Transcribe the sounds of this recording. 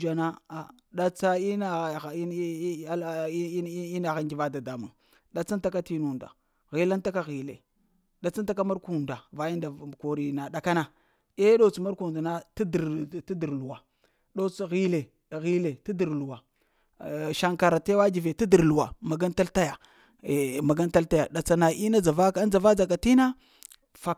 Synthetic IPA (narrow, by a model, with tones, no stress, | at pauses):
d͡ʒa˨na˦a˨ | ɗa˨t͡sa˦i˦na˦˨˦i˦na˨ɣa˦ŋɡi˨va˦da˨da˨mṵ˨ŋ | ɗa˨t͡sa˦nta˦ka˦ti˦nu˨nda̰˨ | ɣi˨la˦nta˦ka˦ɣi˨lḛ˨ | ɗa˨t͡sa˦n˦ta˦k̬a˦ma˦ɾku˨nda˨va˨˦ji˦nda˨ko˨ɾi˨na˨ɗa˨ka˦na˨ | e˦ɗo˦t͡sma˦ɾku˨da˨na˦tdtu˦di˨ɾlu˨wa˨ | ɗo˦t͡sɣi˦le˨ | ɣi˦le˨ti˦di˨ɾlu˨wa˨ | ʃa˨ŋka˨ɾa˨te˦wa˦d͡ʒi˨ve˨ti˦di˨ɾlu˨wa̰˨ma˨ɡa˦n˦ta˦lta˦ja˨ | ma˨ɡa˦nta˦lta˦ja̰˨ɗa˨t͡sa˨na˨ʔi˦na˦d͡za˨va˦ka˦n˦d͡za˨va˦d͡za˨k̬a˨ti˦na˦ | fa˨